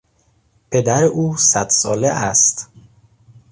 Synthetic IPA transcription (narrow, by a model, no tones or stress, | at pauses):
pʰe̞d̪æɾeʔuːsæd̪̥sɒːleʔæst̪